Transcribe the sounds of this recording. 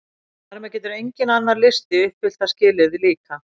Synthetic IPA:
θaɾmɛðcɛːt̪ʏɾejɲcɪnanːaɾlɪst̪ɪʏpfɪl̥t̪ascɪːlɪðɪliːka

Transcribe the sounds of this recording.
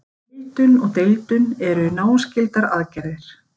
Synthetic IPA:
ejt̪ʏnɔɣt̪ejt̪ʏnɛɾʏnaːw̪scɪlt̪aɾaðcɛɾðɪɾ̥

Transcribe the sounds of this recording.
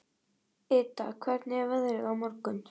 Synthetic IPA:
ɪːt̪akʰvɛɾt̪nɛvaðɾɪɣawmɔɾkʏn

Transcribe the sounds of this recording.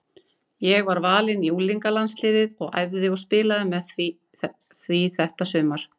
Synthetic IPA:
jɛɣvaɾvaːlɪniuliŋkalanslɪːðɪðɔɣa̰jvðɣɔspɪːlaðɪmɛð | θviθɛht̪asʏːmaɾ̥

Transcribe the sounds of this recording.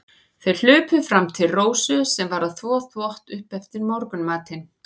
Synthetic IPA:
θejl̥ʏːpʏfɾamt̪ʰɪlroːwsʏsɛmvaɾaðθvɔːθʰvɔht̪ʏhpɛft̪ɪɾmɔɾkʏnmaːt̪ɪn

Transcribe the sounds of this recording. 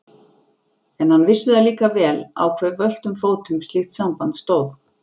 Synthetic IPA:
ɛnhanːvɪsːɪðaliːkavɛːla̰wkʰvɛɾvœl̥t̪ʏmfoːwt̪ʏmst̪lɪxt̪sampant̪st̪oːwf

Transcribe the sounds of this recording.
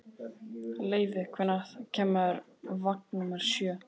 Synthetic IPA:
leːjvɪkʰvɛnaðcʰɛːmaɾ | vak̚numaɾ̥sjœː

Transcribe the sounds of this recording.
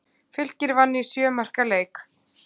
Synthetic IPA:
fʏl̥cɪɾvanːɪ̥sjœːmar̥kaleːjk

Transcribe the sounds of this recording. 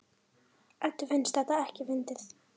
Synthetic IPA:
ɛt̪ːʏfɪnst̪θɛht̪aɛhcɪvɪnt̪ɪθ

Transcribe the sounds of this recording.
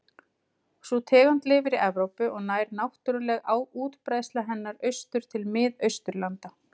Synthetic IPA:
sut̪ʰɛːɣant̪lɪvɪɾiʔɛvɾowpʏʔɔɣnaːjɾnawht̪ʏɾʏlɛɣawuːt̪pɾaːjst̪laɦɛnːaɾœɥst̪ʏɾ̥t̪ʰɪlmɪðœɥst̪ʏɾlant̪a

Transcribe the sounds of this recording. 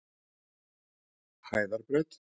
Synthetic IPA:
haːjðaɾpɾɛt̪

